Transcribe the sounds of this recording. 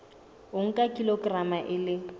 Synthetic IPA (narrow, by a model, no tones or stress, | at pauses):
ʊŋ̩kʼakʼiloɡramaʔɪlɪ